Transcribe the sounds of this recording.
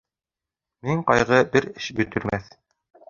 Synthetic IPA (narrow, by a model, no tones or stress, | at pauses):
miɴqɑjʁɤbɘɾɘʃbɵ̆t̪ɵ̆ɾmæθ